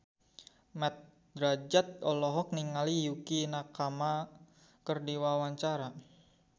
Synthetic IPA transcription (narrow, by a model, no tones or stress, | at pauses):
mɛt̪̚ | dɾad͡ʒat̪̚ɔlɔɦɔk̚niŋalijukinakama | kərdiwawaɲt͡ʃaɾa